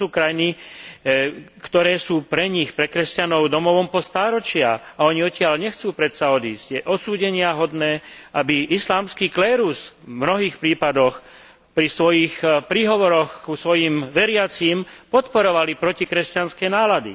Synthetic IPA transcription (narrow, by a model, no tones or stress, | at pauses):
uːkɾajni | kt̪ɔɾɛːsuːpɾɛɲixpɾɛkɾɛscanɔʊd̪ɔmɔʋɔmpɔst̪aːɾɔt͡ʃɪaaɔɲiɔcɪaʎɲɛxt͡suːpɾɛt̪saɔd̪iːzɟjɛʔɔt̪suːɟɛɲɪaɦɔd̪nɛːabiʔislaːmskiːklɛːɾusvmnɔɦiːxpɾiːpad̪ɔx | pɾisʋɔjixpɾiːɦɔʋɔɾɔxkusʋɔjimʋɛɾɪat͡simpɔt̪pɔɾɔʋalipɾɔcikɾɛscanskɛnaːlad̪ḭ